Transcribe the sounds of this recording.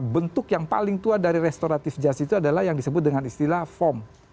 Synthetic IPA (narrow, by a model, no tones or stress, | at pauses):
bənt̪ʊkjaŋpa̰lɪŋt̪uadaɾiɾɛst̪oɾat̪ɪfd͡ʒasit̪uadalahjaŋdisəbʊt̪̚dəŋanist̪ilafɔm